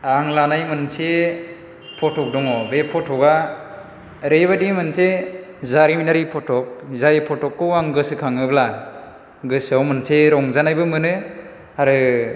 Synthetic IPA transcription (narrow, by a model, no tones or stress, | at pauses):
aŋlanajmɯnse | pʰɔtʰɔk̚dɔŋɔbepʰɔtʰɔka | ɾebadimɯnse | zaɾiminaɾipʰɔtʰɔk̚zajpʰɔtɔkːɯwaŋɡɯsɯkʰaŋɯbla | ɡɯsawmɯnseɾɔŋzanajbɯmɯnɯ | aɾɯ